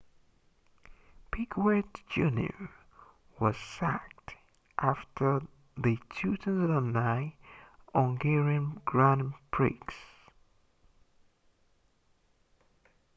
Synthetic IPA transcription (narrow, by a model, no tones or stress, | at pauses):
pʰikwɛtd͡ʒʉ̃njə̰˞ | wʌz̥sæk̚t | ʔæftʰə˞ | ðɨtʰʉtʰɨ̃nzðənaɪ | ɔ̃ŋɡɛɹiɨ̃nɡ̥ɹæ̃npʰɹḭks